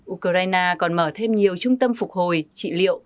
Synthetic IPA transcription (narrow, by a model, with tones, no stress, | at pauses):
ʔu˧kə˧zaː˧jnaː˧kɔ˨˩nməː˧˩t̪ʰe˧mɲi˨˩əwt͡ɕʊ˧ŋ͡mt̪ə˧mfʊ˨˩k̚ho˨˩jt͡ɕḭ˧˨lḭ˧˨əw